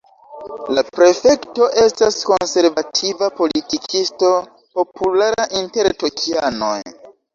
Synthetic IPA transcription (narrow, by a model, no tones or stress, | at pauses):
lapɾe̞fe̞kto̞ʔe̞stasko̞nse̞ɾvatʰivapo̞litikʰisto̞ | po̞pulaɾaʔinte̞ɾto̞kʰiano̞̰j